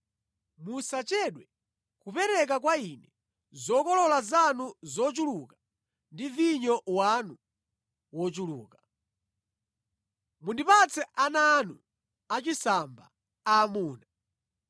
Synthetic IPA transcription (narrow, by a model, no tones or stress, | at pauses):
musat͡ʃɛɗwɛ | kupɛɾɛk̬ak̬wainɛ | zɔkɔlɔlazanuzɔt͡ʃuluka | ndiviɲɔwanu | wɔt͡ʃulṵːka | mundipat͡sʰɛʔananu | at͡ʃisamba̰ | aːmuːna